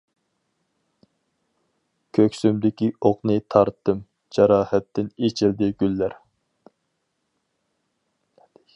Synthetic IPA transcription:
kʲʰøkʲsymd̪ɪkʲioqnɨt̪ʰɑɾt̪ʰːɨm | d͡ʒɑɾɑːhɛt̪ːɪnet͡ʃʰild̪ɪɡʲylːæɾ

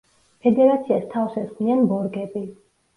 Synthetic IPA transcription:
pʰɛd̪ɛɾat̪sʰiast̪ʰafsɛsχlianbɔɾɡɛbi

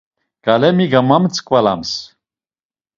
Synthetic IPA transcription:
ɡ̥alɛmiɡamamt͡sʰʼkʼvala̰ms

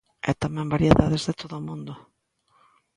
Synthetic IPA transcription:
ɛ̰t̪amɛ̃mbaɾjeðaðezðet̪oðʊːmũnd̪ʊ

